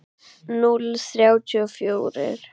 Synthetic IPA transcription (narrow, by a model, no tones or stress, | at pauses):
nʊlθɾjawcʰyɔfjuːɾɪ̰ɾ̥